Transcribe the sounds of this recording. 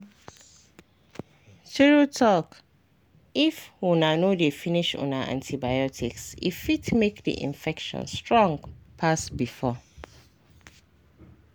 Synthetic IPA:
tʰiɹotʰɔk | ifunanodefĩniʃṵ̃naʔã̰ntʰibajɔtʰḭksḭfitmekdḭʔḭ̃nfɛkʃɔ̰̃nstɹɔ̃ŋɡpʰasbifɔ

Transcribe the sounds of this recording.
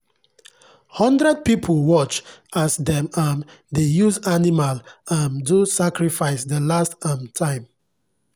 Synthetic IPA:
hɔ̃ndɹɛd̚pipʰulwɔt͡ʃasdɛ̃mãn | dejuzanimalãndusakɹifaɪsdəlastãmtʰãɪ̃m

